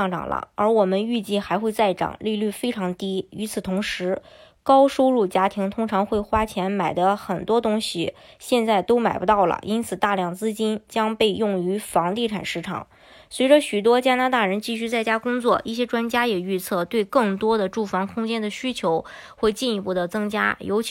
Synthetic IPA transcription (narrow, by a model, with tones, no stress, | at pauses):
ŋʈ͡ʂɑ̰˨˩ŋlə̰˦ə˞˧˥wɔ˨˩mə˦ny˥˧t͡ɕi˥˩xa˧˥ɪxwe˥˧ɪt͡sa˥˩ɪʈ͡ʂɑ̰˨˩˦ŋli˥˧ly˥˩fe˥ɪʈ͡ʂʰɑ˧˥ŋt̪i˥y˧˥t͡sʰɹ̩˨˩t̪ʰʊ˧˥ŋʂɻ̩˧˥ | kɑ˥ʊʂo˥ʊɻu˥˩t͡ɕja˥t̪ʰi˧˥ŋt̪ʰʊ˥ŋʈ͡ʂʰɑ˧˥ŋxwe˥˩ɪxwa˥t͡ɕʰjɛ˧˥nma˨˩ɪd̪ə˦xə˨˩nt̪wɔ˥t̪ʊ˥ŋɕi˨ɕjɛ˥˧nt͡sa˥˩ɪt̪o˥ʊma˨˩ɪpu˧˥t̪ɑ˥˩ʊlə̰˩ʔi˥nt͡sʰɹ̩˨˩t̪a˥˧ljɑ˥˩ŋt͡sɹ̩˥t͡ɕi˥nt͡ɕjɑ˥ŋpe˥˧ɪjʊ˥˩ŋy˧˥fɑ˧˥ŋt̪i˥˩ʈ͡ʂʰa̰˨˩nʂɻ̩˥ʈ͡ʂʰɑ̰˨˩˦ŋ | swe˧˥ɪʈ͡ʂə˧ɕy˨˩t̪̬wɔ˥t͡ɕja˥na˧˥t̪a˥˩ɻə˧˥nt͡ɕi˥˩ɕy˥t͡sa˥˩ɪt͡ɕja˥kʊ˥ŋt͡swɔ˥˩i˥˩ɕjɛ˥ʈ͡ʂwa˥nt͡ɕja˥jɛ˨˩y˥˧t͡sʰɤ˥˩t̪we˥˧ɪkɤ˥˩ŋt̪wɔ˥d̪ə˨ʈ͡ʂu˥˩fɑ˧˥ŋkʰʊ˥ŋt͡ɕjɛ˥nd̪ə˨ɕy˥t͡ɕʰjo˧˥ʊ | xwe˥˧ɪt͡ɕi˥˧ni˧pu˥˩d̪ə˩t͡sɤ˥ŋt͡ɕja̰˥jo˧˥ʊ